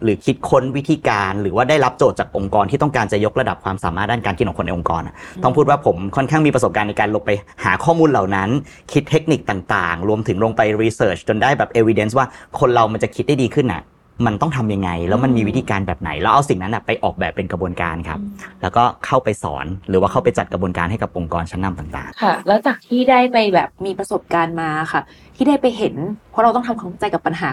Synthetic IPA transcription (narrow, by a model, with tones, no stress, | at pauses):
ɾɯː˩˦kʰi˦˥t̪̚kʰo˦˥nwi˦˥t̪ʰiː˧kaː˧nɾɯː˩˦waː˥˩da˥˩jɾa˦˥p̚t͡ɕoː˨˩t̪̚t͡ɕaː˨˩k̚ʔo˧ŋkɔː˧nt̪ʰiː˥˩t̪ɔ˥˩ŋkaː˧nt͡ɕa˨˩jo˦˥k̚ɾa˧da˨˩p̚kʰwaː˧msaː˨˦maː˥˩daː˥˩kaː˧nki˦˥n̚ɔ˨˩kʰo˧na˧jʔo˧ŋkɔ̰ː˧nʔa̰˨˩t̪ɔ˥˩ŋʰpʰuː˥˩waː˥˩pʰo˩˦mkʰɔ˥˩nkʰaː˥˩ŋmiː˧pɾso˨˩pkaː˧nːa˧jkaː˧nlo˧ŋpa˧jhaː˩˦kʰɔː˥˩muː˧nla˨˩wna˦˥n | kʰi˦˥t̪ʰːe˦˥k̚ni˨˩k̚t̪aː˨˩ŋt̪aː˨˩ŋɾu˧əmt̪ʰɯ˩˦ŋɾu˧ŋpa˧jɾiː˧sɤː˧˩t͡ɕʰt͡ɕo˧ndaː˥˩jbɛː˨˩p̚ʔeː˧wi˧de˦˥ns̬waː˥˩kʰo˧nɾa˧wma˧nt͡ɕa˨˩kʰi˦t̪̚da˥˩jdiː˧kʰɯ˥˩nʔa̰˨˩ | ma˧nt̪ɔ˥˩ŋt̪ʰa˧mja˧ŋːa˧jlɛː˦˥wma˧nmiː˧wi˦˥t̪ʰiː˧kaː˧nbɛː˨˩p̚na̰˩˦jlɛː˦˥wʔa˧wsi˨˩ŋna˦˥nʔa˨˩pa˧jʔɔː˨˩k̚bɛː˨˩pːe˧nkɾa˧bu˧ənka̰ː˧nkʰa̰˦˥p̚lɛː˦˥wkɔː˥˩kʰa˥˩wpa˧jsɔ̰ː˩˦nɾɯː˩˦waː˥˩kʰa˥˩pa˧jt͡ɕa˨˩t̪̚kɾa˧bu˧ənkaː˧nɦa˥˩jka˨˩p̚ʔo˧ŋkɔː˧nt͡ɕʰa˦˥nːa˧mt̪aː˨˩ŋt̪a̰ː˨˩ŋkʰa˥˩lɛ˨˦˥wt͡ɕaː˨˩k̚t̪ʰiː˥˩daː˥˩jpa˧jbɛː˨˩p̚miː˧pɾa˧so˨˩p̚kaː˧nmaː˧a˨˩xa˥˩ | t̪ʰiː˥˩daː˥˩jpa˧jɦe˨˩˦npʰɔ˦˥ɾa˧wt̪ɔ˥˩t̪ʰa˧mkʰaː˧˥˦mʰa˥t͡ɕa˧jka˨˩pːa˧nɦaː˩˦